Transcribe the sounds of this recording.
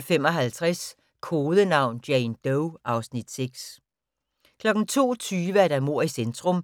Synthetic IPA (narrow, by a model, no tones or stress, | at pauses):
femɒ̽ɦælt͡sʰʁas | kʰoːðˠənɑ̈ʊ̰nd̥jɛɪnd̥oʊʔɑ̈ʊsnid̥seɡ̥s | kʰlɒ̽ɡ̥n̩t͡sʰo̝̰ːt͡sʰyːʋəæɐd̥æmo̝ɐ̰isend̥ʰʁɔ̽m